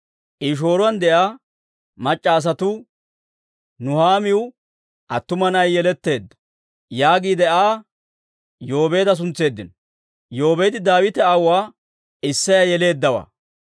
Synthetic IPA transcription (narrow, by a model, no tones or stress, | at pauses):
ʔiʃ̬o̞ːɾʊɐnd̪ɛʔaː | mɐt͡ʃʼːaːs̬ɐt̪ʊ | nʊhaːmɪʊ | ʔɐt̪ːʊmɐnɐjːɛlɛt̪ːe̞ːd̪ːɐ̥ | jaːɡiːd̪ɛaː | jo̞ːbe̞ːd̪ɐs̬ʊnt͡sːe̞ːd̪ːɪn | jo̞ːbe̞ːd̪ɪd̪aːwɪt̪ɛɐwaː | ɪsːɐjɐjɛle̞ːd̪ːɐwɐ̰